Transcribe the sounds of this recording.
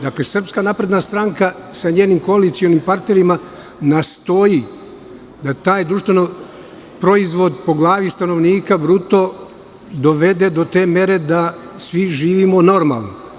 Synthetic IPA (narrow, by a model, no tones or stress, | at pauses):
d̪aklesr̩pskanaːpɾe̞d̪nast̪ɾaŋkasaɲe̞ːnimko̞alit̪sionimpaɾt̪ne̞ɾima | nast̪o̞ji | d̪at̪aːjd̪ɾuʃt̪ʋe̞no | pɾo̞izʋo̞d̪po̞ɡlˠaːʋist̪ano̞ʋniːkabɾut̪o̞ | d̪o̞ʋe̞d̪e̞d̪o̞t̪e̞ːmje̞ɾe̞d̪a | sʋiʒiːʋimo̞no̞ɾma̰lˠno